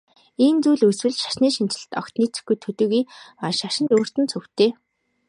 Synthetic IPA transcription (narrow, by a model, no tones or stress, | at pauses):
iːnt͡suːɮɵswɘ̆ɮʃḁʃniːʃint͡ɕɪ̆ɮt̪ɔ̰kt̪niːt͡sɘ̥̆xɡujt̪ʰɵt̪ɵːɣujɔʃaʃɪ̆nt̪oːr̥t̪ɘ̆nt͡sʰɵwt̪eː